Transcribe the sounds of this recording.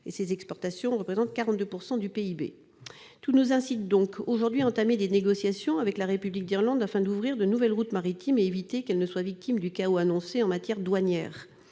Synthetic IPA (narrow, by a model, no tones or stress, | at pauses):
ḛsezɛkspɔʁt̪asjɔ̃ʁəpχezɑ̃t̪̚kaʁɑ̃t̪̚d̪øpuʁsɑ̃d̪ypeibḛ | t̪unuzɛ̃sit̪̚d̪ɔ̃koʒuʁd̪ɥiɑ̃t̪amed̪eneɡɔsjasjɔ̃avɛklaʁepyblik̚d̪iʁlɑ̃d̪afɛ̃d̪uvʁiʁd̪ənuvɛlʁut̪maʁit̪ʰimeevit̪ekɛlnəswavik̚t̪ʰimd̪ykaoanɔ̃seɑ̃mat̪jɛʁd̪waɲjɛ̰ːʁ